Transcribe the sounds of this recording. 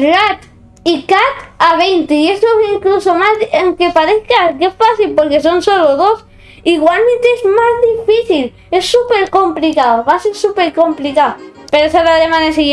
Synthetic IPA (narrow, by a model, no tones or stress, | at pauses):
rat̪ | ikat̪aβ̞ejnt̪eie̞st̪oiŋkluso̞mazðaŋke̞paɾeθkakesfaθilpo̞ɾke̞so̞nso̞loðo̞s | iɣwalment̪eezmazðifiθil | e̞sːupe̞ɾko̞mplikaoβaseɾsupeɾko̞mplikaopeɾesaɾalemãnesiɣ